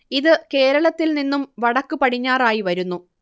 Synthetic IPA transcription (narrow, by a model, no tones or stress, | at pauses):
iðɨke̞ːɾɐɭɐt̪ːilninːumʋɐɽɐkːupɐʈʰiɲːaːraːjiʋɐɾunːu